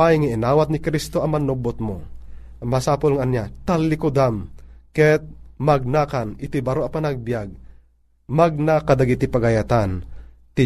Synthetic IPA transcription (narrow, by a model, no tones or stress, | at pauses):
ajŋaʔɪnaːwat̪nɪkɾist̪oʔɐmːɐnobot̪̚mo | mɐsaːpolŋaʔɐnjat̪alːɪkod̪amkɛt̪̚maɡ̚nakanɪt̪ibɐɾoʔɐpɐnaɡ̚bjaɡ̚ | maɡ̚nakad̪aɡit̪ipɐɡajat̪an | t̪ɪ